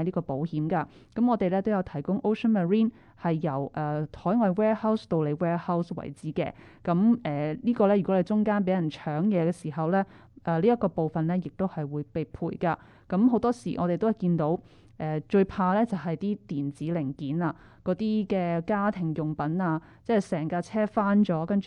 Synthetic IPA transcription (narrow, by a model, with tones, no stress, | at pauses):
liː˥kɔː˧po˨˥whiː˨˥mkaː˧ | kɐ˨˥mɔː˨˧t̪e˨jlɛː˥t̪o˥wjɐ˨˧wt̪ʰɐ˨˩jkʊ˥ŋʔo˥wʂʰə˥nmɐ˨ɹiː˥n | hɐ˨jːɐ˨˩wʔɛː˨t̪ʰɔː˨˥jŋɔː˨˧jwɛː˥hɐ˥wst̪o˧wle˨˧jwɛː˥hɐ˥wswɐ̰˨˩jt͡siː˨˥kɛ̰ː˧ | kɐ˨˥mɛː˨˩liː˥kɔː˧lɛ˥ɥy˨kɔ˨˥le˨˧jt͡sʊ˥ŋkaː˥npe˨˥jɐ˨˩nt͡ʃʰœː˨˥ŋjɛː˨˧kɛː˧siː˨˩ɦɐ˨wlɛː˥ | ʔɛː˨˧liː˥jɐ˥t̚kːɔː˧po˨wfɐ˨nlɛː˥jɪ˨k̚t̪o˥whɐ˨jwuː˨˧jpe˨jpʰuː˨˩jka˧ | kɐ˨˥mho˨˥wt̪ɔː˥sḭ˨˩ʔɔː˨˧ɾe˨jt̪o˥hɐ˨˩kiː˧nt̪o˨˥w | ʔɛː˨t͡ʃɵ˧ɥpʰaː˧lɛː˥t͡sɐ˨wɦɐ˨jt̪iː˥t̪iː˨˩nt͡siː˨˥lɪ˨˩ŋkiː˨˥naː˧ | kɔː˨˥t̪iː˥kɛː˧kaː˥t̪ʰɪ˨˩ŋjʊ˨˩ŋpɐ˨˥naː˧ | t͡sɛː˥˨sɛː˨˩ŋkaː˧t͡sʰɛː˥faː˥nt͡ʃɔː˨˥kɐ˥nt͡ʃ